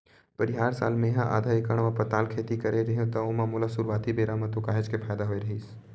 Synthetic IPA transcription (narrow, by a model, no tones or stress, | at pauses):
pɐɾɪɦaːɾsa̰ːlmẽɦãʔa̰ːd̪ʱaekəɽ̃ʋãpət̪aːlkʰeːt̪ikɐɾeɾɐɦjõt̪ɐomãmʊlasʊɾʋaːt̪ibeːɾamãt̪okaːɦed͡ʒkepʰaːjd̪aɦoːeɾɐɦiːs